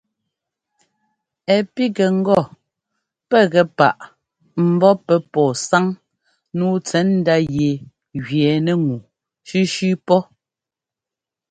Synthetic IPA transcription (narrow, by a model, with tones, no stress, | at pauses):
ɛ˨pi˦ɡɛ˨ŋ̩˦ɡɔ˦˨ | pɛ˦˨ɣɛ˨pa̰˨ʔ | m̩˨bɔ˦pɛ˨pɔː˨sa˦ŋ | nuː˦t͡sɛ˨˦nn̩˦da˦je˨ | ɣɥjɛː˨nɛ˦ŋu˨ | ʃi˦ʃʉ˦pɔ˦